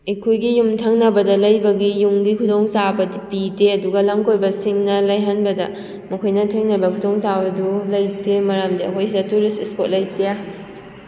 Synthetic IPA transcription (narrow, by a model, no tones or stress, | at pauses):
ekʰojɡijumtʰɐŋnɐbɐdɐlɐjbɐɡijuŋɡikʰudoŋsabɐipideɐduɡɐlɐmkojbɐsiŋnɐlɐjɦɐnbɐdɐ̰ | mɐkʰojnɐtʰeŋnɐbɐkʰutoŋsabɐdulɐjtemɐɾamdiɐ̰kʰojsidɐtuɾistespot̚lɐjtea